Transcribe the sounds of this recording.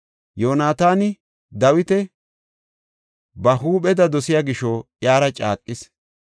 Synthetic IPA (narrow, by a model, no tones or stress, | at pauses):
joːnaːt̪aːnɪ | d̪ɐwɪt̪ɛ | bɐɦuːɓɛd̪ɐd̪ɔsɪjaːɡɪʃɔjaːɾɐt͡ʃʼa̰ːkʼːɪs